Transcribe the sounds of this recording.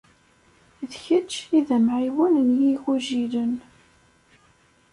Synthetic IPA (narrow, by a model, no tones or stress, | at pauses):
ðçət͡ʃːiðæmʕiwənənjixuʒilən